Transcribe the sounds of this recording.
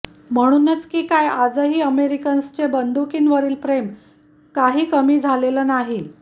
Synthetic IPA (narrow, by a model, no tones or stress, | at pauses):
m̤əɽ̃uːnət͡skiːkajad͡zəɦiːəmeɾikənst͡ɕebənd̪ukiːnʋəɾiːlpɾem | kaɦiːkəmiːd͡zʱalelənaɦi